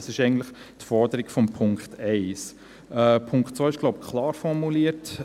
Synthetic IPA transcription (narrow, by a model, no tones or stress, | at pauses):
sɪʃɛɪɡən̩t̪ləχ | tfɔɾdəɾɪɡfɔmpʰʊŋkχtɛɪs | ɛpʰʊŋkχtt͡sʋœɪʃɡ̥loʊb̚kχlɑːɾfɔɾmuliːət